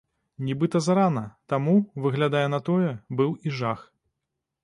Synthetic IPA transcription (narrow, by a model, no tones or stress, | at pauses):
nʲibɨt̪ɐzaɾanɐt̪amuvɨɣlʲad̪ajɛnɐt̪ɔjɛbɨwiʐax